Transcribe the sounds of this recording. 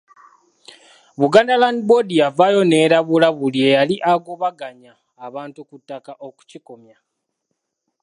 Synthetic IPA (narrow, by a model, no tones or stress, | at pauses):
βuɡaːndalandibo̞dijavajo̞ne̞ːɾaβulaβulie̞jaliʔaɡo̞βaɡaɲaː | βaːntukutːakaʔo̞ku̥ciko̞mja